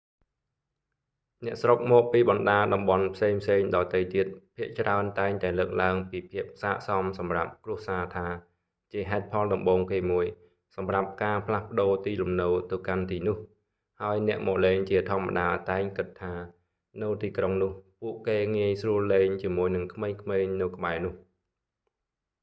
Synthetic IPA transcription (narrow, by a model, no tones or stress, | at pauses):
nɛ̆əʔsrok̚mɔːk̚piːɓɑnɗaːɗɑmɓɑnpʰseːŋpʰseːŋɗɑːt̪ɨjt̪iət̪̚pʰiəʔt͡ɕraənt̪aɛŋt̪aɛləːk̚laəŋpiːpʰiəp̚saːʔsɑmsɑmrap̚krŭəhsaːt̪ʰaː | t͡ɕiəɦaɛt̪̚pʰɑlɗɑmɓoːŋkeːmuəj | sɑmrap̚kaːpʰlahpə̆ɗoːt̪iːlumnɨwt̪ɨwkant̪iːnʊ̆əh | haəjnɛ̆əʔmɔːʔleːŋt͡ɕiət̪ʰŏəmːa̰ɗaːt̪aɛŋkɨt̪ʰːaː | nɨwt̪iːkroŋnʊ̆əhpuəʔkeːŋiəjsruəleːŋt͡ɕiəmuəjnɨŋkʰmeːŋkʰmeːɲnɨwkə̆ɓaɛnʊ̆əh